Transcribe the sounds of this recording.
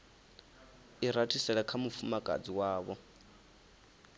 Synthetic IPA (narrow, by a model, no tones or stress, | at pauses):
iɾatʰisɛɺɛkʰamufumakʼa̰d͡ziwaːβɔ